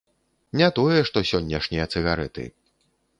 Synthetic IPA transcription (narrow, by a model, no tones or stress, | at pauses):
nʲat̪ɔjɛʂt̪ɔsʲɔnʲːɐʂnʲijɐt̪sɨɣaɾɛ̰t̪ɨ̰